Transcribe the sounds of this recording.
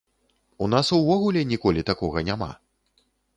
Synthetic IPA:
un̪asuvɔɣulʲɛnʲikɔlʲit̪akɔɣɐnʲama̰

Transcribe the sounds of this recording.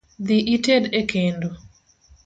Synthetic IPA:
d̪ɪʔitedekʰendo

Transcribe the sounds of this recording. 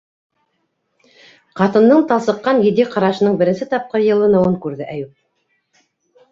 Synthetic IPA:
qɑt̪ɤ̆nd̪ɤɴt̪ɑlˠsɤ̆qːɑnjɘ̆d̪iqɑɾɑʃɤ̆nɤɴbɘ̆ɾɘ̆nsɘt̪ɑp̚qɤɾjɤ̆lˠɤnɤ̆wɤɴkʉɾðɘʔæjʉp̚

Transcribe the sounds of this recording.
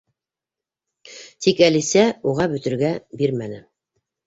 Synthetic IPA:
t̪ʰikælisæuʁɑbɵ̆t̪ɘ̆ɾɡæbiɾmænɘ

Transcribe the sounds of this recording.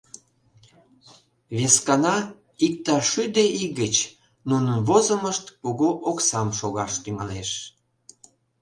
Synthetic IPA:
βeskɑnɑ | ik̚t̪ɑʃyd̪eiɣət͡ɕ | nunənβozə̆məʃt̪koɣoʔoksɑmʃoɣɑʃt̪yŋɑleʃ

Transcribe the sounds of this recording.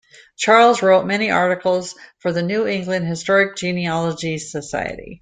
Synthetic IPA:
t͡ʃʰɑɹlˠzɹoʊt̚mɛniʔɑɹɾɨkl̩ˠz̥fə˞ðɨnʉɪ̃ŋɡlɨ̃nd̚hɨstɔɹɨk̚d̥ʒ̥ĩniɑlˠəd͡ʒisəsa̰ɪɨ̰ɾḭ

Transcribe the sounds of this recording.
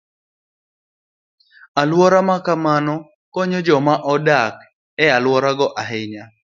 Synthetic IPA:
alwɔɾamakamanɔ | kɔɲɔd͡ʒɔmaʔɔdak | ɛalwɔɾaɡɔʔaɦɪɲa

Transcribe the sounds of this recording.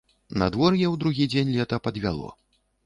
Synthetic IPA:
na̰d̪vɔrjɛwd̪ɾuɣʲid͡zʲenʲlʲɛt̪ɐpɐd̪vʲalˠɔ̰

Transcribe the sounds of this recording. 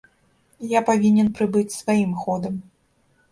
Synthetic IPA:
japavʲinʲɛnpɾɨbɨt͡sʲsvajimxɔd̪ɐm

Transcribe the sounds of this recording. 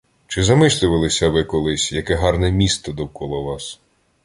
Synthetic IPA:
t͡ʃɪzɐmɪsʲlʲɪʋɐlˠɪsʲɐʋɪkɔlˠɪsʲjɐkɛɦɑrnɛmʲist̪ɔd̪ɔwkɔlˠɔʋɑs

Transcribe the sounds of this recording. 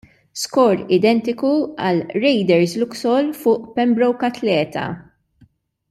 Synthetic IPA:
skɔːɾɪd̪ɛnt̪ɪkuɐ̰lɾɛjd̪ɛɾzlʊksɔlfʊːʔpɛmbɾɔwkɐt̪lɛːt̪ɐ̰

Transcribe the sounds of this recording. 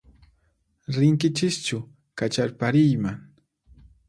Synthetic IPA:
ɾɪŋkɪt͡ʃɪst͡ʃʊ | kat͡ʃaɾpaɾɪjmaŋ

